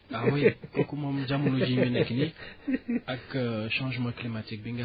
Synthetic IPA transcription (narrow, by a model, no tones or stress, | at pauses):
awikɔkumɔ̃md͡ʒamunod͡ʒimənɛkini | akəʃɑ̃ʒmɑ̃klimat̪ik̚bĩŋɡa